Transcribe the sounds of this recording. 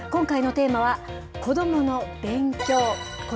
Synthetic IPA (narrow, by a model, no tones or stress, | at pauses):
kõ̞ŋkaino̞t̪e̞ːmaβa | ko̞d̪o̞mo̞no̞b̥ẽ̞ŋkʲo̞ːko